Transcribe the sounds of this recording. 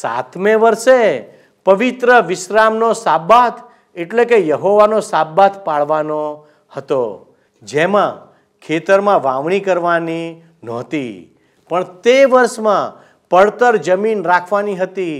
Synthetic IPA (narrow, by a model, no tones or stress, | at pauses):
sa̰t̪ʰmẽʋəɾʃe | pəʋit̪ɾəʋɪʃɾamnosabat̪ʰ | eʈlekejəɦoʋanosabːat̪paɭʋano | hət̪o̰ | d͡ʒemã | kʰet̪əɾmãʋaʋɳ̃ikəɾʋani | nɔt̪ḭ | pəɳt̪eʋəɾʃmã | pəɭt̪əɾd͡ʒəminɾakʰʋaniɦət̪i